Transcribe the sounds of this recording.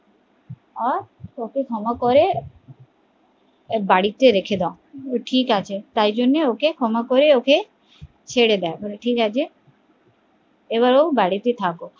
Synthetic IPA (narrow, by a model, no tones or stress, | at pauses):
aɾokekʰɔmakoɾe | baɽit̪eɾekʰed̪aõʈʰikat͡ɕʰet̪ajd͡ʑonːeokekʰɔmakoɾeoke | t͡ɕʰeɽed̪ɛebɔleʈʰikat͡ɕʰe | eβaɾobaɽit̪et̪ʰako